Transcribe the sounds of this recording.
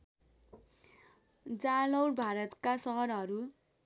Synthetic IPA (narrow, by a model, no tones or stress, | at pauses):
d͡zalʌwrbʱaɾʌt̪kasʌɦʌɾɦʌɾu